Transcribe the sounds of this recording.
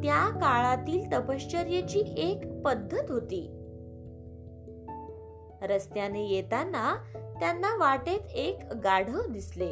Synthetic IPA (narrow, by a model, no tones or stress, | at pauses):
t̪jakaɭat̪iːlt̪əpəɕt͡ɕəɾjet͡ɕiːʔekpəd̪ʱːət̪ɦot̪iː | ɾəst̪janejet̪anːat̪janːaʋaʈet̪ekɡaɽ̤əd̪isle